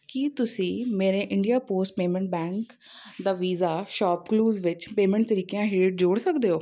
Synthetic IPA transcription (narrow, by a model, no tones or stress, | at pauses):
kit̪ʊsĩːmeːɾẽːʔɪɳɖijaːpoːsʈ̚peːmɛ̃ɳʈ̚bɛ̃ːŋk | d̪aːʋiːzaːʃaːpkluːzʋɪt͡ʃpeːmɛ̃ɳʈ̚t̪əɾiːkejãːɦeːʈ̚d͡ʒoːɽsəkd̪eːoː